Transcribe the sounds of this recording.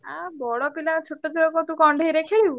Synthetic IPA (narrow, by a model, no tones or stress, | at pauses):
abɔɭɔpilat͡ʃʰoʈːɔt͡ʃʰiɽɔkɔt̪ũkɔɳɖʱeiɾekʰeɭiu